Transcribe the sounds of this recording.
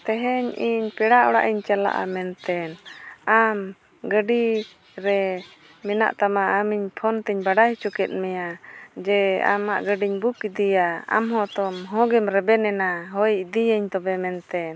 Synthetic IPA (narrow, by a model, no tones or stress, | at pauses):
t̪ɛɦɛɲiɲpɛɽaʔɔɽa̰ʔiɲt͡ʃala̰ʔa̰mɛnt̪ɛnam | ɡəɖi | ɾɛ | mɛna̰ʔt̪amaːmiɲpʰɔnt̪ɛɲbaɖajt͡ʃɔkɛt̪̚ˀmɛjad͡ʒɛa̰ma̰ʔɡəɖiɲbukid̪ijaa̰mɦɔ̃t̪ɔmɦɔ̃ɡɛmɾɛbɛnɛnaɦɔjd̪ijəɲt̪ɔbɛmɛnt̪ɛn